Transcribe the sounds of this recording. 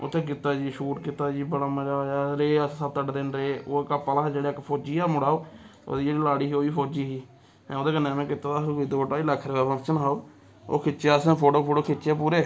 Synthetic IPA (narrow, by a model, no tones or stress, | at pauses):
o̰t̪ʰːẽːk̬ɪt̪ːaːd͡ʒiːʃuːʈkɪt̪aːd͡ʒiːbəɽaːməd͡ʒaːjaːɾeːəssəb̚t̪əɖd̪eːnɾeeːʔoːkapːaːlad͡ʒeːɽeːkpʰoːd͡ʒiːaːmʊɽaːoːo̰ːd̪id͡ʒeːɽiːlaːɽiːɦiːoːiːpʰoːd͡ʒiːɦiː | ɛ̃ːoːd̪eːkənːẽːmɛ̃ːkɪt̪aːt̪aːɦid̪ooʈaːiləkʰːɾeːɡaːpʰəŋt͡ʃənɦaːoː | o̰ːkʰɪt͡ʃeːasẽːpʰoːʈoːpʰoːʈoːkʰɪt͡ʃt͡ʃeːpuːɾeː